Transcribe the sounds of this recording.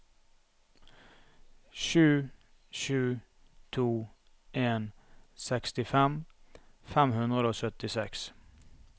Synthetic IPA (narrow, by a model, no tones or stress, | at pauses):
ʃʉː | ʃʉː | t̪ʰuː | ʔeːnsɛkst̪ɪfɛm | fɛmhʉnd̪ʁəd̪əoːsœt̪ɪsɛks